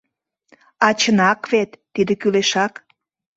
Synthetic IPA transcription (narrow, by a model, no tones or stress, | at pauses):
ɑt͡ɕənɑkβet̪ːid̪ekyleʃɑk